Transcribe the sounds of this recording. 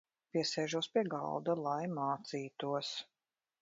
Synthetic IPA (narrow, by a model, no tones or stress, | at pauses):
piɛsɛːʒuɔspiɛɡɑ̰lˠd̪alˠajmaːt̪siːt̪uɔs